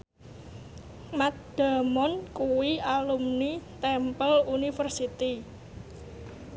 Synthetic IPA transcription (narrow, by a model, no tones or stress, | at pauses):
mat̪̚d̥a̤mɔnkuwialumnit̪ɛmpəlunifərsit̪i